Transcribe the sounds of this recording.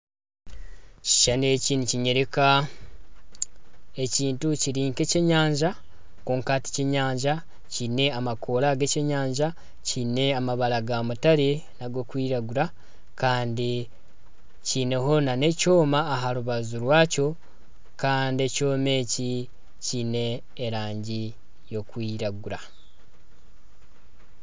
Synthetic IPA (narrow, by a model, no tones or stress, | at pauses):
ci̥ʃane̞ciːnuciɲe̞ɾe̞ka | e̞ciːntuciɾiːŋke̞ceɲaːɲʒa | koːŋkati̥ceɲaːɲʒa | cine̞amakʰo̞laɡeceɲaːɲʒa | cine̞amaβaɾaɡamutaɾe | naɡo̞kwiːɾaɡuɾa | kaːndi | cine̞ɦo̞nane̞co̞ːmaːɦaɾuβazuɾwaːco̞ | kaːndie̞co̞ːme̞ːci | cine̞ː | ɾaːɲɟi | jo̞kwiːɾaɡuɾa